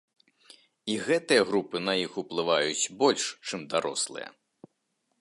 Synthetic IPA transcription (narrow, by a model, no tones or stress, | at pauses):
iɣɛt̪ɨjɐɣɾupɨnɐjixuplˠɨvajut͡sʲbɔlʲʂt͡ʂɨmd̪aɾɔ̰slˠɨ̰jɐ̰